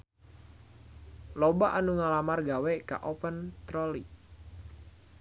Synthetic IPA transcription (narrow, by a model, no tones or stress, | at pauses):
lɔbaʔanuŋalamarɡaweka̰ʔɔpənt̪ɾɔlḭ